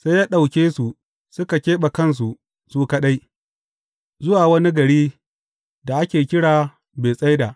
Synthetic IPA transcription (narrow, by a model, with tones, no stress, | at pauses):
sa˦jaː˦ɗa˨wkʲeː˦su˨ | sʊ˦ka˨kʲeː˦ɓa˨kɐ˦˨ns̬u˨ | suː˦ka˦ɗa˦j | zʊ˦waː˨wɐ˦ni˦ɡɐ˨ɽiː˦ | da˨ʔa˦kʲeː˨kʲɪ˦ɽaː˨ | beː˨sʼa˦jda˨ʔ